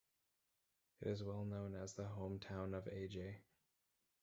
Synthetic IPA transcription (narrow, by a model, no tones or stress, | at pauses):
ɨ̰ɾɨzwɛlˠnõʊ̃nɨzðəɦõʊ̃mtʰãʊ̃nʌvḛɪd͡ʒeɪ